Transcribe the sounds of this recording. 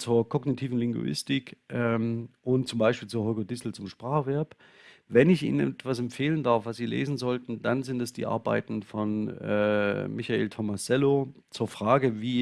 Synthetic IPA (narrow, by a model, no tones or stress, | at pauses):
t͡suːɐkʰɔɡnitʰiːvn̩lɪŋɡṵʔɪ̰stɪkʔɛmʔʊnt̚t͡sʊmbaɪʃpiːlt͡suːɐɦɔʏɡodɪsl̩t͡sʊmʃpʁ̥aːχəvɛɐp | vɛnɪçʔḭːnənɛɛtv̥as̬ɛmpfeːləndaɐfv̥asz̥iːlḛːzn̩zɔltn̩d̥anzɪntɛsd̥ḭːʔa̰ɐba̰ɪtn̩fɔnʔɛ̰ːmɪçaḛːltʰɔmasɛlot͡suːɐfʁ̥aːɡəviː